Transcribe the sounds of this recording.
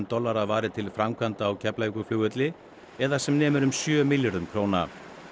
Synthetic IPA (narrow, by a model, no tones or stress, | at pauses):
nt̪ɔlːaɾavaːɾɪt̪ʰɪlfɾamkʰvant̪aːwcʰɛplajkʏflʏːɣʏt̪lɪ | ɛðasɛmnɛːmʏɾʏmsjœːmɪljaɾðʏmkʰɾoːwna̰